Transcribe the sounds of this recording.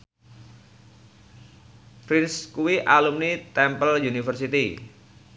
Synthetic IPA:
pɾinskuwiʔalumnit̪ɛmpəljunifərsit̪i

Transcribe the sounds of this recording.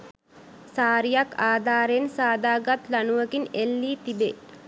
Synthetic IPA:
saːɾijakaːd̪ʱaːɾensaːd̪aːɡat̪lanuʋəɡinelːiːt̪ibe

